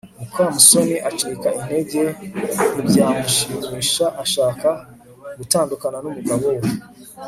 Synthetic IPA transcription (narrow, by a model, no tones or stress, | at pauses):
ukamusoniʔat͡ʃiikaine̞ɟe̞mubjaːmuʃiɲiʃaʔaʃaːka | ɡutaːndukananumuɡawow